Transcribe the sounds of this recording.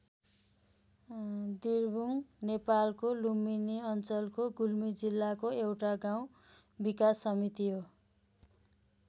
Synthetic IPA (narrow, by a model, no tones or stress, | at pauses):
d̪irbuŋnepalkoluminiʌnt͡sʌlkoɡulmid͡zilːakoewʈaɡaw̃ | bikasːʌmit̪iɦo